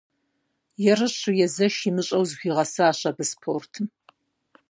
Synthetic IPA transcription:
jɛrɨɕujɛzɐʃimɨɕʼɐwzxʷiːʁɐsɨaːɕɐbɨspʰoːrtʰ

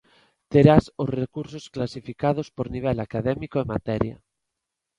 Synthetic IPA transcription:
t̪eɾasosrekuɾsosklasifikað̞ospoɾniβ̞ɛlakaðɛmikoemat̪ɛɾja̰

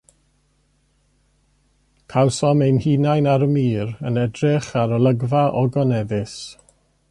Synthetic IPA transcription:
kʰawsɔmejnhiːnajnaɾəmiːɾənɛdrɪχaɾɔlˠəɡvaʔɔɡɔnɛðɪs

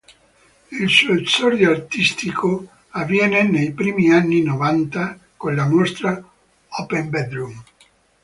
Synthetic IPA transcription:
ilsosɔɾjoart̪ist̪ikʰo | avːjɛːnenejpɾiːmianːinovant̪a | konlamost̪ɾa | ɔpembɛd̪ɾum

